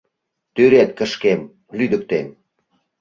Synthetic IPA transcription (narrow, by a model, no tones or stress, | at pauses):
t̪øɾet̪̚kə̆ʃkem | lyd̪ə̆k̚t̪em